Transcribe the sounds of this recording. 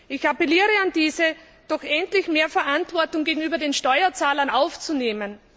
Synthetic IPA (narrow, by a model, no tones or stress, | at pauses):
ʔɪçapɛliːʁəandiːzə | d̥ɔxʔɛntlɪçmeːɐfɛɐʔantv̥ɔɐtʊŋɡeːɡŋ̩yːbɐdeːnʃtɔʏɐt͡saːlɐnaʊft͡suneːmən